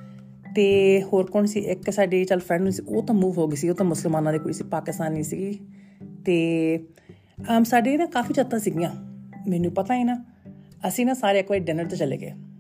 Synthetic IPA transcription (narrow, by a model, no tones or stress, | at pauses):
t̪eːhoːɾkoːɳsiːʔɪksaːɖeːt͡ʃəlpʰɾɛ̃ːɳɖũsiːoːt̪ãːmuːʋɦoːɡeːsioːt̪ãːmʊsəlmaːnãːd̪eːkoːisiːpaːkɪst̪aːniːsiɡiːt̪eː | əmsaːɖeːnãːkaːfiːt͡ʃət̪ãːsɪɡijãːmɛːnũːpət̪aːiːnãːəsĩːnãːsaːɾeːɪkʋaːeːɖɛnəɾt̪ãːt͡ʃəlḛːɡḛː